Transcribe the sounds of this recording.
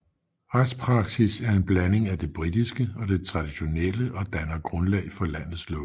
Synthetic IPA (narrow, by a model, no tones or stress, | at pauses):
ʁḁspʰʁɑ̈ɡ̥sisæɐe̝nb̥læne̝ŋæd̥e̝b̥ʁid̥isɡ̥əɒ̽d̥e̝t͡sʰʁɑ̈d̥iɕo̝neləʔɒ̽d̥ænɐɡ̥ʁɔ̽nlɛ̰ɪfɒ̽læn̰ð̩ˠslɔ̰